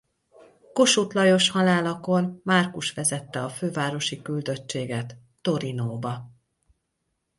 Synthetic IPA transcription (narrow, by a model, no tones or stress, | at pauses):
ko̞ʃut̪lɒjo̞ʃhɒlaːlɒko̞nmarkuʃʋɛzɛt̪ːɛɒføːvaːɾo̞ʃikyld̪ø̞t͡ʃːeːɡɛt̪ː | o̞ɾinoːbɒ